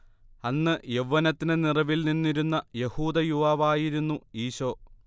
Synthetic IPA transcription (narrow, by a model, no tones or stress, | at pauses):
ɐnːɨjeʋːɐnɐt̪ːinɨnirɐʋilninːiɾunːɐje̞huːd̪ɐjuʋaːʋaːjiɾunːuiːɕo̞ː